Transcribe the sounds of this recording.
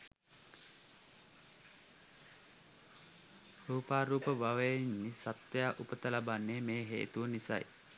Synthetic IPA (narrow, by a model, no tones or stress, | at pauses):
ruːpaːɾuːpəbaʋəjinːisat̪jaːʔupət̪əlabanːeːmeːɦḛːt̪uʋənisa̰j